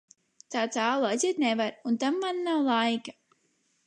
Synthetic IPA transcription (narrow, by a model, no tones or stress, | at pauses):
t̪aːt̪aːlˠazʲiːt̪nɛvaɾunt̪amːanːawlˠajka